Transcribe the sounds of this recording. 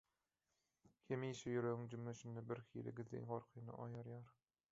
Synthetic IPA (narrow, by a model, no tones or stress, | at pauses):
hemiːʃejøɾøɣyŋd͡ʒymːøʃynd̪ebiɾxḭːlḭɡiðːḭnʁoɾqʰɯjnɯ̰ʔɑ̰jɑɾjɑːɾ